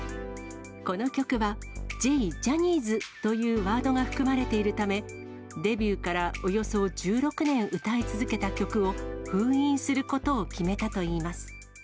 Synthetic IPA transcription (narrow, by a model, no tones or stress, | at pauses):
ko̞no̞kʲo̞kɯ̟βa | d͡ʑeid͡ʑaɲ̟iːzɨt̪o̞jɯːβaːd̪o̞ɡaɸɯ̟̥kɯ̟maɾe̞t̪e̞iɾɯ̟t̪ame̞ | d̪e̞bʲɯːkaɾao̞jo̞so̞d͡ʑɨːɾo̞kɯ̟nẽ̞ɰ̃ɯ̟t̪ait͡sɨzɨke̞t̪akʲo̞kɯ̟o̞ɸɯ̟̃ːĩɰ̃sɨɾɯ̟ko̞t̪o̞ːkʲime̞t̪at̪o̞iːmasɨ̥